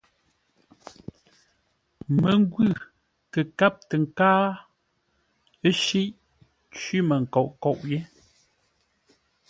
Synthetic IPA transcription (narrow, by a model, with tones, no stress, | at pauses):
mə˨ŋ˦ɡwʉ˦˨ | kə˨ka˦p̚tə˨ŋ̩˨kaː˦ | ə˦ʃi˦ʔ | t͡ʃwi˦mə˨ŋ̩˨kɔ˨ʔkɔ˨ʔje˦